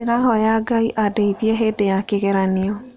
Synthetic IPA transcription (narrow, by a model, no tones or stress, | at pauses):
eɾaɦɔjaɡaiʔadeiðiɛɦedejakeɣeɾaniɔ